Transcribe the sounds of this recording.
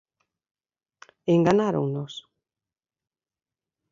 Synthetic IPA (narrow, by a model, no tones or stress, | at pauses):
eŋɡanaɾo̰ŋnos